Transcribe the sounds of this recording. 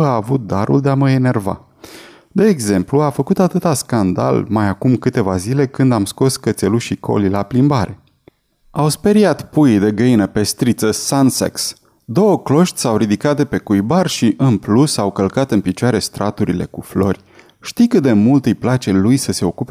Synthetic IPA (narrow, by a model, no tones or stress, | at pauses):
aːvut̪̚d̪aɾʔṵld̪e̞aməene̞rva̰ | d̪e̞ːɡze̞mpluafəkut̪at̪ɨt̪askand̪a̰lmajakumkɨt̪e̞vazile̞kɨnd̪amsko̞skət̪se̞luʃiko̞̰lilaplimbaɾʔe̞ | awspe̞ɾiat̪pujd̪e̞ɡəinəpe̞st̪ɾit̪səsansḛks | d̪o̞wəklo̞ʃt̪ʲsawɾid̪ikat̪̚d̪e̞pe̞kujbarʃiʔɨnplusawkəlkat̪ɨnpit͡ʃoaɾe̞st̪ɾʔat̪uɾile̞̰kuflo̞rʲ | ʃt̪ikɨt̪d̪e̞mult̪ɨjplat͡ʃe̞lujsəse̞o̞kupe